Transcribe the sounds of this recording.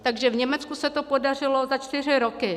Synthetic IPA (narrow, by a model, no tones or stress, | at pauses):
t̪aɡʒɛvɲɛmɛt͡skusɛt̪o̞po̞dar̝ɪlo̞zat͡ʃt̪ɪr̝ɪɾokɪ